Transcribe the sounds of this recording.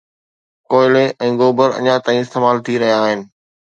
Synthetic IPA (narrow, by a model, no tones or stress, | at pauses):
koːɪleʔɛ̃ːɡoːbəɾɐ̰ɲat̪aːĩɪst̪eːmaːlt̪ʰiɾɐɦijaːɦɪnɪ̆